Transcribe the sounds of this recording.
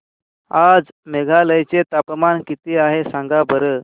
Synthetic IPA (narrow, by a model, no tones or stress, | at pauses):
ad͡z | meɡʱaləjt͡set̪apmankit̪iːaɦesãŋɡabəɾə